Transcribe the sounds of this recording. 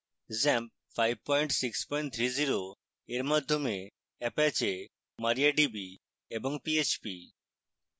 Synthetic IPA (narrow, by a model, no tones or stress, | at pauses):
zɛmp̚ | fajb̚pɔjɳʈsikspɔjɳʈt̪ʰɾiziɾo | eɾmad̪ʱːome | epɛt͡ɕe | maɾiaɖibi | eboŋpiet͡ɕpi